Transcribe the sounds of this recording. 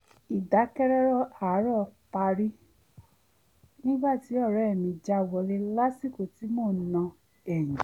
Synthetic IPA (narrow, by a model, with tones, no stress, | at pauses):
i˨da˨˦kɛ˦ɾɛ˦ɾɔ˦˨a˨˦ɾɔ˦˨pa˧ɾi˦ | nĩ˦ɡ͡ba˦˨ti˨˦ɔ˦˨ɾɔ˨˦ɛ˦˨mĩ˧d͡ʒa˦˨wɔ˧le˦la˦si˦˨ko˨ti˨˦moː˦˨˦nã˧ | ɛ˨j̃ĩ˨